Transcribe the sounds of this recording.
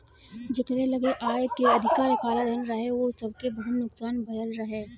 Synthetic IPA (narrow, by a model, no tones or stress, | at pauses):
d͡ʒekəɾelɐɡeʔaːjkeɐd̪ʱɪkaːɾkaːlad̪ɐnɾɐɦeʋosɐb̚kebɐɦʊt̪nʊksaːnbʱɐjəlɾɐɦeː